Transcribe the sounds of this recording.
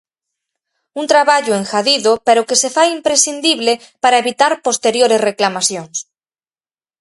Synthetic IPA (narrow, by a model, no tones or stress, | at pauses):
unt̪ɾaβaʎoeŋxaðiðopeɾokesefajimpɾesind̪iβle | paɾaeβit̪aɾpost̪eɾjoɾesreklamasjoŋs